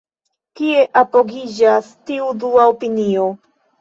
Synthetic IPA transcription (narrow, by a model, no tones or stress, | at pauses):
kie̞ʔapo̞ɡid͡ʒastiuduaopinio̞